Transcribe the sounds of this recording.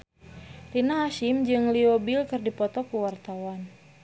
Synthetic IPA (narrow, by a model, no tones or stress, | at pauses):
rinaɦaʃimd͡ʒɨŋliɔbilkɨrdipɔt̪ɔkuwart̪awan